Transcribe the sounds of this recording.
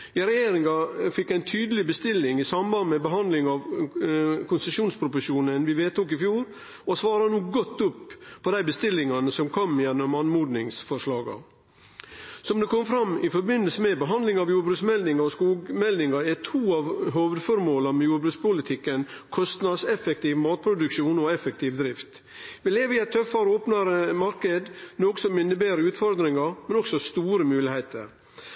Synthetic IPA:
ɪɾɛjeːɾɪŋɑfɪkːæɪnt̪ʰyːd̪əlɪbəst̪ɪlːɪŋɪsɑmbɑnd̪əmɛbəɦɑnd̪lɪŋɑʋ | kʰʊnsəsuːnspʰɾʊpʊʂuːnənʋɪʋeːt̪uːk̬ɪfjuːɾ | ɔsʋɑːɾɑnuːɡɔt̪ːʊpːpʰɔd̪æɪbəst̪ɪlːɪŋɑnəsɔmkʰɔmjɛnːɔmɑnmuːd̪nɪŋsfɔʂɭɑːɡɑ̰ | sɔmd̪ɛkʰɔmfɾɑmːɪfɔɾbɪnəlsəmɛbəɦɑnd̪lɪŋɑʋjuːɾbɾʉːsmɛld̪ɪŋɑɔskuːɡmɛld̪nɪŋɑɛt̪ʰuːɑʋɦoːʋəd̪fɔɾmoːlɑmɛjuːɾbɾʉːkspʰʊlɪt̪ʰɪkːənkʰɔst̪nɑd̪sɛfɛk̚t̪iːʋmɑːt̪̚pʰɾʊd̪ʉkʃuːnɔɛfɛk̚t̪ʰiːʋd̪ɾɪft̪ | ʋɪleːʋəɪɛɪt̪ʰːœfɑɾəoːpnɑɾəmɑɾkəd̪noːɡəsɔmɪnːəbeːɾəʉːt̪fɔɾd̪ɾɪŋɑɾmɛnɔksɔst̪uːɾəmʉːlɪhæɪt̪ə̰ɾ

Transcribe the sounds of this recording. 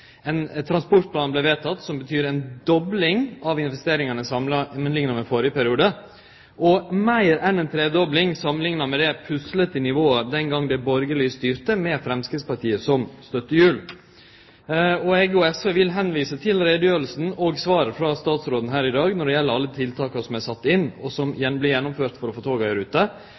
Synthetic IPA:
ɛnt̪ʰɾɑnspɔɾʈ̚pʰlɑːnblɛʋeːt̪ʰɑt̪ːsɔmbət̪ʰyːɾɛnd̪ɔblɪŋɑʋɪnʋɛst̪eːɾɪŋɑnəsɑmlɑmənlɪŋnɑmɛfoːɾɪəpæɾɪuːd̪ə | ʔɔmæɪɾɛnɛnt̪ʰɾeːd̪ɔblɪŋsɑmːənlɪŋnɑmɛd̪ɛpʰʉslət̪ɪnɪʋoːəd̪ɛŋɡɑŋd̪ɛbɔɾɡəɭyːst̪yːɾt̪əmɛfɾɛmskɾɪt̪spɑʈʰiːəsɔmst̪œt̪ːəjʉːl | ɔɛɡuːɛsəʋɪlɦɛnʋiːsət̪ʰɪlɾeːd̪jøːɾlsn̩ɔɡsʋɑːɾəfɾɑst̪ɑːt̪sɾoːd̪n̩ɦæːɾɪd̪ɑːɡnɔɖɛjɛlːəɾɑlːət̪ʰɪlt̪ʰɑːkɑsɔmæɪsɑt̪ːɪnːɔsɔmjɛnblɪɾjɛnːʊmføːɾt̪fɔɾɔfoːt̪ʰɑːɡœɾʉːt̪ə

